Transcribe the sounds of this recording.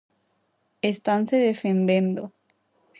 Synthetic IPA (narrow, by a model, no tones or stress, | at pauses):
est̪anseðefend̪ẽnd̪o